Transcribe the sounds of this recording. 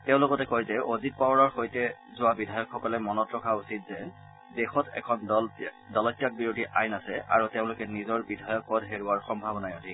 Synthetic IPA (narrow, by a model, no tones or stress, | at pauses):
teʊ̃lʊkɔtɛkojzɛʔozit̚pawɹaɹxojtɛzʊabidʱajɔkxɔkɔlɛmɔnɔtɹɔkʰausit̚zɛ | dexɔtɛ̰kʰɔn | dɔlɔtjak̚biɹodʱiʔajnasɛʔa̰ɹuteʊ̃lʊkɛnizɔɹbidʱajɔk̚pɔdɦeɹʊaɹxɔmbʱabɔnajodʱi